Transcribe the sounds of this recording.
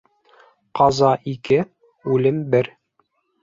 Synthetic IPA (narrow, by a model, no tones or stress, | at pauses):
qɑzɑʔikɘ | ʉlɘmbɘɾ